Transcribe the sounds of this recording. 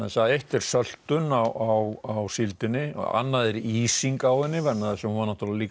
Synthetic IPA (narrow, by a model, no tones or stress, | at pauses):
asaðejht̪ɪɾ̥sœl̥t̪ʏnawawawsilt̪ɪnːɪ̰a̰nːaðɛɾiːsiŋkaːwðɪnːɪvɛɾnːaðsɛmhvaɾnaht̪ulðaliːk